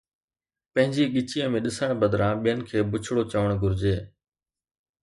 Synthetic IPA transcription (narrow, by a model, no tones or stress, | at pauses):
pɐ̃ɦɪ̃ɲd͡ʑiːɠɪt͡ɕijə̃mẽːɗɪsəɳ̃bəd̪ɾãːɓijənɪ̆kʰeːbʊt͡ɕʰɪɽoːt͡ɕəʋəɽ̃ɡʊɾɪd͡ʑeː